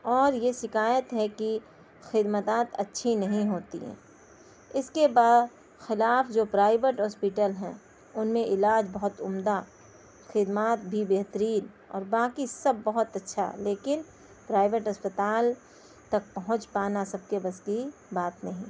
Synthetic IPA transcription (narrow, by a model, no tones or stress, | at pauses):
ɔːɾjeʃɪkaːjət̪ɦɛki | xɪd̪mət̪aːt̪ɐtːʃʰinɐɦĩɦoːt̪ḭɦɛ̰̃ː | ɪskebaːd̪ | xɪlaːfd͡ʒoːpɾaːɪbeʈɦɔːspɪʈəlɦɛ̰̃ | ʊnmẽʔɪlaːd͡ʒbɐɦʊt̪ʊmd̪a | xɪd̪maːt̪̚bʱibeːɦt̪əɾiːn | ɔ̰ːɾbaːkisɐbːɐɦʊt̪ɐtːʃʰa̰leːkɪn | pɾaːɪʋeʈɦɐspət̪aːl | t̪ɐk̚pɐɦʊ̃t͡ʃpaːnasɐb̚kebɐskibaːt̪nɐɦĩː